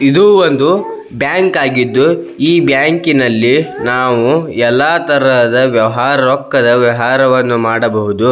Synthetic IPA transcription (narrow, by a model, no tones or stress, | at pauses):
id̪uond̪u | bjaːŋkaːɡid̪ːu | iːbjaːŋkinɐlːinaːʋuɛlːaːt̪ɐɾɐd̪ɐʋjɐʋɐɦaːɾɐɾɔkːɐd̪ɐʋjɐɦaːɾɐʋɐnːumaːɽɐbɐɦud̪u